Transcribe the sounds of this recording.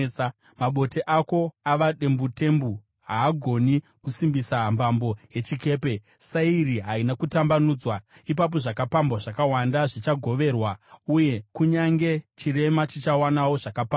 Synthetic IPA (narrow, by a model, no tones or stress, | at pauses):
maɓo̞teʔako̞aʋaɗe̞mbute̞mbu | ɦaːɡʱo̞ni | kusimbisambʱambo̞je̞t͡ʃike̞ːpe̞ | sairiɦainakutambanuːd͡zwa | ip̬ap̬o̞ʐakapambwaʐakawandaʐit͡ʃaɡʱo̞ʋe̞rwauje̞kuɲaŋɡe̞t͡ʃiɾe̞mat͡ʃit͡ʃawanawo̞ʐakapa